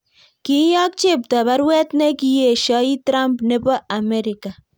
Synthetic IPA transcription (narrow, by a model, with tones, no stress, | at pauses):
ki˦jɔ˦k̚t͡ʃe˦p̚ta˨ba˦ɾwɛ˦t̚ne˦ki˨je˨ʃɔ˦i˦tɾa˦mpne˦pɔ˦ʔa˨meɾɪka˨